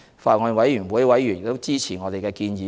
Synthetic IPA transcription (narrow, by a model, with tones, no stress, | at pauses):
faː˧t̚ŋɔː˨˧nwɐ˨˥jjyː˨˩nwu˨˥jwɐ˨˥jyː˨˩njɪ˨kt̪o˥wt͡siː˥t͡sʰiː˨˩ŋɔː˨˧ɾe˨jkɛː˧kiː˧njiː˨˦